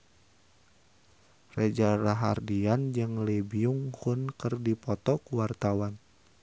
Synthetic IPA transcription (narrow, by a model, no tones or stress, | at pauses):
red͡ʒaɾaɦardiand͡ʒɨŋlebiuŋhunkɨrdipɔt̪ɔkuwart̪awan